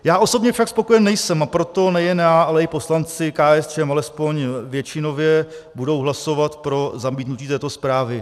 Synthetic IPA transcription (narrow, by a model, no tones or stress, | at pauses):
jaːʔo̞so̞bɲɛfʃakspo̞ko̞jɛnnɛjsɛmapɾo̞t̪o̞nɛjɛnjaːʔalɛɪpo̞slant͡sɪkaːɛst͡ʃɛmalɛspo̞ɲvjɛt͡ʃɪno̞vjɛ | budo̞wɦlaso̞vat̪pɾo̞zamiːt̪nuciːt̪ɛːt̪o̞spɾaːvɪ